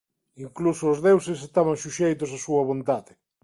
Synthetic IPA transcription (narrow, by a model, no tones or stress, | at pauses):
iŋklusoːzðewses̬est̪aβaŋʃuʃejt̪osasuɐβont̪aðɪ